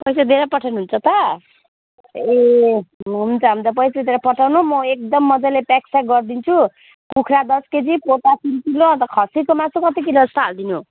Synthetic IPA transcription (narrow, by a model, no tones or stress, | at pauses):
pʌjsad̪ʱeɾapʌʈʰawnuɦːnt͡sʰʌt̪ʌ | e | ɦunt͡sʰʌɦʌmt͡sʌpʌjsaed̪ʱeɾapʌʈʰawnumʌek̚d̪ʌmːʌd͡zalepaksaɡʌrd̪int͡sʰu | kukʰɾad̪ʌsked͡zipoʈasinkiloʌnt̪ʌkʰʌsikomasokʌt̪ikilʌst̪ʌɦald̪inu